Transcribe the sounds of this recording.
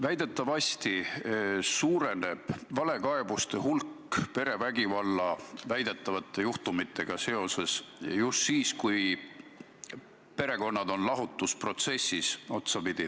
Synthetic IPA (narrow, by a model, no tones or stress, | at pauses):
væjd̪̥e̞t̪ːˑɑvɑsʲt̪i | suːɾe̞ne̞b̥vɑle̞kɑebust̪e̞hulkː | pe̞ɾe̞væɡivɑlːɑvæjd̪̥e̞t̪ːˑɑvɑt̪ˑːe̞juht̪umit̪ʰːˑe̞ɡ̥ɑse̞o̞se̞sjust̪siːskuj | pe̞ɾe̞ko̞nːɑd̪o̞nlɑɦut̪ːˑuspro̞t̪se̞sʲːiso̞t̪sɑpid̪̥i